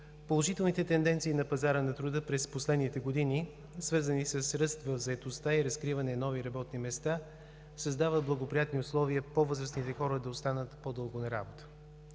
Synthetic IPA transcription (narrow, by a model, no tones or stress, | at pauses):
polˠoʒit̪ɛlˠnit̪ɛt̪ɛnd̪ɛnt̪siːnɐpɐzaɾənɐt̪ɾʊd̪ɤpɾɛsposlɛd̪nit̪ɛɡod̪ini | svɤɾzənisəsɾɤst̪vɐvzɐɛt̪ost̪aiɾɐskɾivɐnɛnɔviɾɐbɔt̪nimɛst̪a | sɐzd̪avət̪̚blˠɐɡopɾijat̪niʊslˠɔviəpovɤzɾəsnit̪ɛxɔɾəd̪ɐost̪anət̪pod̪ɤlˠɡonɐɾa̰bot̪ə̥